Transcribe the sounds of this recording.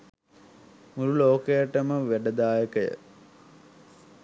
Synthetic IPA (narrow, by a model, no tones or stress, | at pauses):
muɾuloːkəjəʈəməʋæɖəd̪aːjəkəjə̰